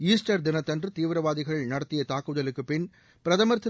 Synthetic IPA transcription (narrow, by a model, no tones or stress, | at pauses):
iːsʈɐɾd̪ɪnɐt̪ːɐndrɯt̪iːʋɾɐʋaːðɪɣɐɭɪɭnɐɽɐt̪ːɪjɐt̪aːkːɯðɐlɯkːɯpɪn | pɪɾɐðɐmɐɾt̪ʰːɯ